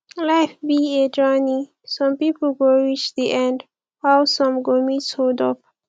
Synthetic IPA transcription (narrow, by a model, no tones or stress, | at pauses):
laɪfbied͡ʒɔni | sʌ̃mpipəl̩ɡoɹit͡ʃðiʔɛ̃nd | waʊsɔ̃mɡomitsholdɔp̚